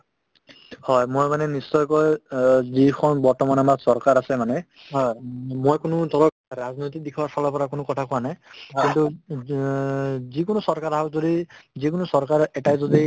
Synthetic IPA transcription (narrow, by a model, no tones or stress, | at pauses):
hɔjmojmanɛnisːɔjkɔjzikʰɔnbɔɹtɔmanamaksɔɹkaɹasɛmanɛ | ɦɔjmojkʊnʊt̪ɔlɔk̚ɹaznojt̬ik̚dikʰwasɔlɔpɔɹakʊnʊkɔtʰakʊanajkintu | zikʊnɔsɔɹkaɹaɦɔkzodizikʊnɔsɔɹkaɹɛtajzod̪i